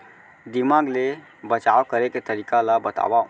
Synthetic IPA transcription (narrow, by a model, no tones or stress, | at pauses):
d̪imaɡle | bət͡ʃawkəɾeket̪əɾikalabət̪a̰ba